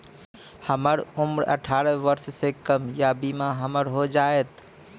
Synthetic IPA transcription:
həməɾumɾə̰ʈʰaɾəʋəɾssekəmjabimaɦəməɾɦod͡ʒaet̪

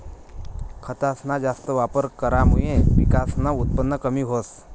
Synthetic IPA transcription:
kʰət̪asnad͡ʒast̪əʋapəɾkəɾamujẽʋḭkasnaut̪̚pənːəkəmiɦos

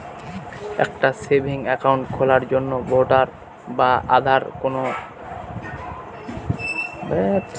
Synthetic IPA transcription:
ɛ̰k̚ʈasebʱiŋɛkauɳʈkʰɔlaɾd͡ʑonːoboɖaɾ | baʔa̰d̪ʱaɾkono | bɛt

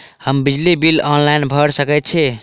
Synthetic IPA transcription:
həmbid͡ʒlibilɔnlajnbʱəɽsəkɛt̪̚t͡ʃʰɛ

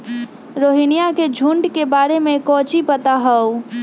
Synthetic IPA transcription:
ɾoːɦinijaked͡ʒʱuɳɖkebaːɾemẽkɔ̃ːt͡ʃipət̪aɦəu

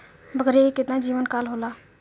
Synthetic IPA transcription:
bəɡəɾeɦikɪt̪nad͡ʒiːʋənkalɦoːlaː

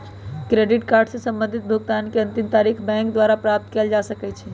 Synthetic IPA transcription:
kɾeɖiʈkaːɾɖsesə̃mbə̃nd̪ʱit̪̚bʱəɡt̪ankeə̃nt̪imt̪aɾikʰbɛ̃ŋkd̪waɾapɾap̚t̪keld͡ʒasəkɛt͡ʃʰɛ

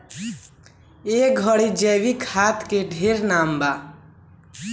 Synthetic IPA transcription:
ek̚ɡʱəɽid͡ʒɛwikʰat̪ʰkeɖʱeɾnamba

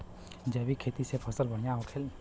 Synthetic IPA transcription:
d͡ʒəbʱikʰeːt̪isepʰəsəlbəɽ̤ijaɦokʰel

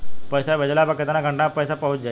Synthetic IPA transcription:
pəjsaʋəd͡ʑlabəkːət̪anaɡʱə̃ɳʈnapəjsapəɦut͡sd͡ʑa

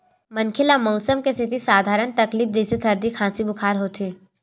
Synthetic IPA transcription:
mɐnkʰɪlamɔːsəmkesɪt̪ʰisaːd̪ʱaːɾənt̪ɐkliːfd͡ʒɛːsesɐɾd̪ikʰãːsibʊkʰaːɾɦoːt̪eː

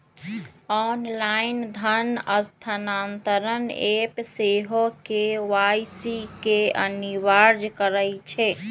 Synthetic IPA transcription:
ɔnlaind̪ʱənəst̪ʰanant̪əɾənepseɦokeʋajsikeə̰niʋaɾd͡ʒkəɾəjt͡ʃʰɛ

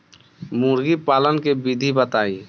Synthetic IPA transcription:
muɾɡipaːlənkebid̪ʱibət̪aːi

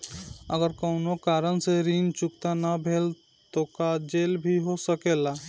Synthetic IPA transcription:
əɡəɾkəʊnokaɾənseɾint͡ʃukt̪anabʱel | t̪okad͡ʒelbʱiɦosəkela

